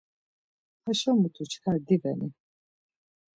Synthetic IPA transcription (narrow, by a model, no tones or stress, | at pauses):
aʃɔmut̪ʰut͡ʃʰkʰad̪ivɛni